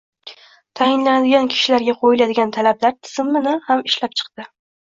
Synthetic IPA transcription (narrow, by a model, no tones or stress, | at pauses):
t̪ʰajɪnlanad̪ɪɡʲankʲʰɪ̥ʃɪlaɾɡʲaqʰojɪlad̪ɪɡʲant̪ʰalablaɾt̪ʰɪ̥z̥ɪmːɪnɪhamɪʃlap̚t͡ʃʰɨ̥qd̪̥ɪ